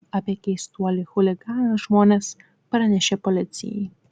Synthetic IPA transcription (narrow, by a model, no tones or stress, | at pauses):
ɐpʲiɛkʲɛɪst̪uɔlʲɪxʊlʲɪɡɑːnɐʒmoːnʲɛs | pɾɐnʲɛʃʲeːpɔlʲɪt̪sʲɪ̰jɛ̰ɪ